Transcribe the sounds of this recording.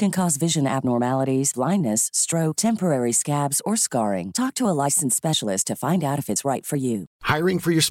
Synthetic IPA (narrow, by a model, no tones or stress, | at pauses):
kɨ̃nkʰɔzvɪʒɨ̃næ̰b̚nɔɹmælˠəɾiz̥blãɪ̃nːɨstɹ̥oʊtʰɛ̃mpə˞ɛɹiskæbzə˞skɑɹɪ̰̃ŋtʰɔk̚tʰəəlaɪsn̩spɛʃl̩ˠɪstʰɨfãɪ̃ndaʊɾɨfɨtsɹaɪtfə˞jʉhaɪɹɪ̃ŋfə˞jə˞s